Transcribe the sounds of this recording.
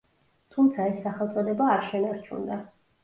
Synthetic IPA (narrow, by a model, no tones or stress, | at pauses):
t̪ʰumt̪sʰaɛsːaχɛlˠt̪sʼɔd̪ɛbaːɾʃɛnaɾt͡ʃʰṵnd̪a